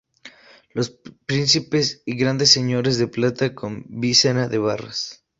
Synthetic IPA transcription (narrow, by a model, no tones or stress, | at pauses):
lospɾinsipesiɣɾand̪esːeɲo̞ɾezðeplat̪akombisenaðeβara̰s